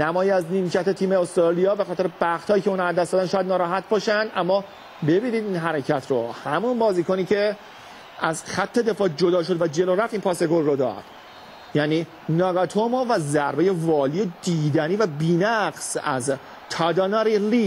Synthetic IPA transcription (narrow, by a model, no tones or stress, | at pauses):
næmɒːjiæzniːmcʰæt̪ʰe̞t̪ʰiːmeost̪ɾɑːlijɒːbe̞xɒːt̪e̞ɾeb̥æχt̪hɒːjiːcʰeunæd̪ːæsd̪ɒːd̪ænʃɒːjæd̪nɒːɾɒːɦæt̪̚bɒːʃænd̪ʔæmːɒː | be̞biːniːd̪iːnɦæɾecʰæt̪ʰɾohæmunbɒːziːkoniːcʰe̞ | ʔæzxæt̪ʰːe̞d̪e̞fɒːd͡ʒod̪ɒːʃo̞d̪væd͡ʒe̞loɾæft̪iːnpʰɒːseɡolrod̪ɒ̰ːd̪̥ | jæːniː | nɒːɡɒt̪ʰomovæzæɾbeje̞vɒːliːed̪iːd̪æniːvæbiːnæɡsæ̰z | t̪ʰɒd̪ɒnɑɾiliː